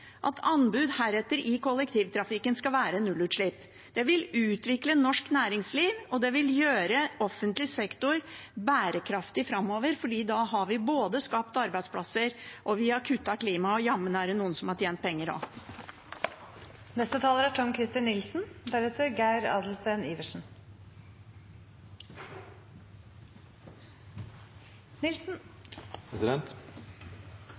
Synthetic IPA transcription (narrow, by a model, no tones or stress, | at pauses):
ʔɑ̰t̪ʰɑnbʉːd̪hæːɾɛt̪ːəɾɪkɔlːɛk̚t̪ʰiːʋt̪ʰɾɑfɪkːənskɑlʋæːɾənʉlʉːt̪ʂɭɪp | d̪̥ɛʋɪlʉːt̪ʋɪklənːɔʂknæːɾɪŋsliːʋɔd̪ɛʋɪljøːɾəɔfːənt̪lɪsɛkt̪ʊɾbæːɾəkʰɾɑft̪ɪfɾɑmːoːʋəɾfɔɖiːd̪ɑɦɑɾʋɪboːd̪əskɑpt̪ɑɾbæɪspʰlɑsəɾʔɔʋɪɑkʰʉt̪ːɑkʰliːmɑɔjɑmːənəæːɖɛnuːənsɔmhɑʈʰjeːnt̪̚pʰɛŋːəɾɑ̰ | nɛst̪ət̪ʰɑːləɾæʈʰɔŋkʰɾɪst̪ɪnːɪlsn̩d̪æɾʉːt̪əɾɡæɪɾɑ̰ːd̪l̩st̪eːniːʋəʂn̩ | nɪlsn̩pʰɾɛsɪd̪ɛnt̪